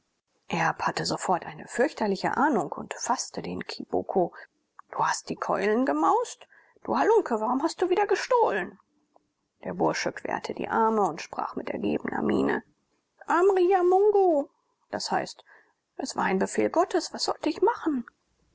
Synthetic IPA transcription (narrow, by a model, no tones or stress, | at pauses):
ʔɛɐphatəzofɔɐtʔaɪnəfʏɐçtɐlɪçə̰ʔaːnʊŋkʊntfastədeːnkʰib̥o̰kʰo | d̥uːhast̚d̥iːkʰɔ̰ʏlənɡəmaʊst | d̥ṵːhalʊŋkʰəvaʁʊmhast̚d̥uːviːdɐɡəʃtoːlən | d̥eːɐbʊɐʃəkʰv̥ḛːɐtʰədḭːʔaɐməʊntʃpʁ̥a̰ːχmɪtɛ̰ɐɡḛːbənɐ̰mḭːnə̰ | ʔamʁiːamʊŋɡu | d̥ashaɪst | ʔɛsv̥aːɐaɪnbəfeːlɡɔtəsv̥asz̥ɔ̰ltəɪçmaχn̩